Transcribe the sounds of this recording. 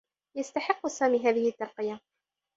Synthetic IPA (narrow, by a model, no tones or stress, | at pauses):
jast̪aħɪqːʊsaːmiːɦaːðɪhɪʔt̪ːɑɾˤqɪja